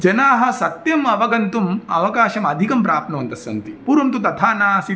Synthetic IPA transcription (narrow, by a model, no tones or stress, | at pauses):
d͡ʒɐnaːɦɐ̆sɐt̪jɐmɐʋɐɡɐnt̪umɐʋɐkaːʃɐmɐd̪ʱikɐmpɾaːpnɐʋɐnt̪ɐsɐnt̪ipuːɾɐmt̪ut̪ɐt̪ʰaːnaːɐsi